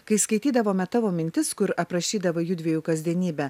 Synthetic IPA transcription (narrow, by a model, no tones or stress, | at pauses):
kɐɪskɐɪt̪ʲiːd̪ɐʋoːmʲɛt̪ɐʋoːmʲɪnʲt̪ʲɪskʊɾɐpɾɐʃʲiːd̪ɐʋɐjuːd̪ʲʋʲiɛjuːkɐzʲd̪ʲiɛnʲiːbʲɛ